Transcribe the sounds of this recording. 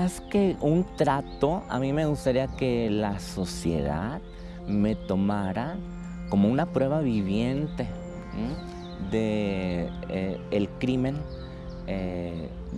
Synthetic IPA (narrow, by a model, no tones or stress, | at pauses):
askeunt̪ɾat̪o̞a̰mĩme̞ɣust̪aɾiake̞laso̞sje̞̰ða̰ð | me̞t̪o̞maɾa | ko̞mounapɾwe̞βaβiβje̞nt̪e̞ | d̪e | eːlkɾimẽ̞n | e